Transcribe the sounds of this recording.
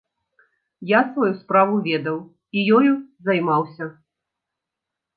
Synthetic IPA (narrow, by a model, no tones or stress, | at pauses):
jasvɔjuspɾavuvʲɛd̪ɐw | ijɔjuzɐjmawsʲɐ